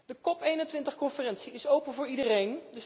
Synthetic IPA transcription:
d̥əkɔpejnəntʋɪntəχkɔnfərɛnsiɪsowpənvʊːɹidərejndəs

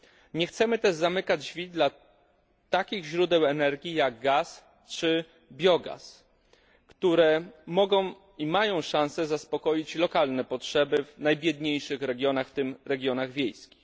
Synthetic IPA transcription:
ɲɛxt̪sɛmɘt̪ɛʐzamɘkad͡ʑvʲid̪la | t̪akʲiɣʑɾud̪ɛwɛnɛɾɡʲijaɡ̚ɡas | t͡ʂɘ | bʲjɔɡa̰s | kt̪uɾɛmɔɡɔ̃w̃ | imajɔ̃w̃ʂãñsɛzaspɔkɔjit͡ɕlɔkalnɛpɔtʂɛbɘvnajbʲjɛd̪ɲejʂɘxɾɛɡʲjɔnaxft̪ɘmɾɛɡʲjɔnaɣvʲjejskʲix

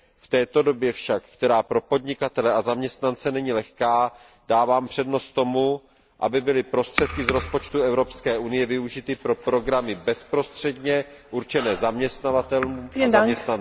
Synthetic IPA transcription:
ft̪ɛːt̪o̞do̞bjɛfʃakkt̪ɛɾaːpɾo̞po̞dɲɪkat̪ɛlɛazamɲɛst̪nant͡sɛnɛɲilɛxkaː | d̥aːvaːmpr̝̥ɛdno̞st̪t̪ːo̞mu | ʔa̰bɪbɪlɪpɾo̞st̪r̝̥ɛt̪̚kɪzɾo̞spo̞t͡ʃt̪uɛvɾo̞pskɛːʔunɪjɛvɪuʒɪt̪ɪpɾo̞pɾo̞ɡɾamɪbɛspɾo̞st̪r̝̥ɛdɲɛʔuɾt͡ʃɛnɛːzamɲɛst̪navat̪ɛlnuzaɲɛst̪nan

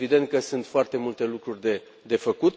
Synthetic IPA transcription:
vid̪e̞nt̪̚kəsunt̪foart̪e̞mult̪e̞lukɾurʲd̪e | d̪e̞fəkut̪

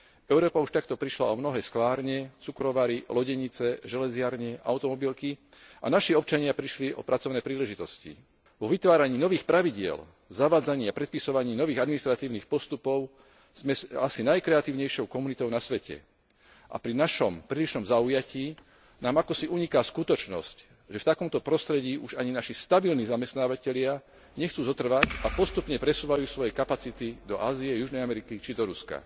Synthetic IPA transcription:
ɛʊɾɔːpauʃt̪ak̚t̪ɔpɾiʃla̰ɔmnɔɦɛːsklaːɾɲɛt͡sukɾɔʋaɾilɔɟɛɲit͡sɛʒɛlɛzɪaɾɲɛʔa̰ʊt̪ɔmɔbilki | ʔa̰naʃiɔp̚t͡ʃaɲɪapɾiʃliʔɔ̰pɾʔat͡sɔʊnɛːpɾiːlɛʒit̪ɔscḭ | ʋɔʋit̪ʋaːɾaɲiːnɔʋiːxpɾaʋiɟɪɛ̰l | zaʋaːd͡zaɲiːapɾɛt̪̚pisɔʋaɲiːnɔʋiːɣad̪minist̪ɾat̪iːʊniːxpɔst̪upɔʊ | zmɛasinajkɾɛat̪iːʊɲɛjʃɔʊkɔmunit̪ɔʊnasʋɛcɛ̰ | ʔa̰pɾinaʃɔmpɾiːliʃnɔmzaujaciː | naːmakɔsiʔuɲikaskut̪ɔt͡ʃnɔ̰sc | ʒɛft̪akɔmt̪ɔpɾɔst̪ɾɛɟiːʔuʒaɲinaʃist̪abilniːzamɛst̪naːʋacɛʎɪa | ɲɛxt͡suːzɔt̪r̩ʋacapɔst̪upɲɛpɾɛsuːʋajuːsʋɔjɛkapat͡sit̪id̪ɔʔaːzijɛjuʒnɛjamɛɾikit͡ʃid̪ɔɾuska̰

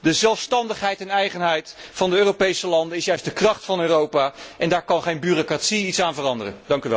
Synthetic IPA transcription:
dəzɛlˠfstɑndəχɦɛjtɛnɛjχənɦɛjtfɑndəøːropejsəlɑndənɪsjœɥsdəkrɑχtfɑnøːrowpaːʔɛndaːɹkɑnχejnbyrokratsiitsaːnvərɑndərə̰ndɑŋkyʋɛ

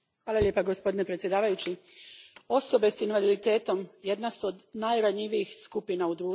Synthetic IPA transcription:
xʋaːlalje̞ːpaɡospo̞d̪inepɾet̪sʲje̞d̪aːʋajut͡ɕi | o̞so̞be̞sinʋalid̪it̪e̞ːt̪o̞mje̞d̪nasuod̪najɾaɲiʋiixskupinaud̪ɾuː

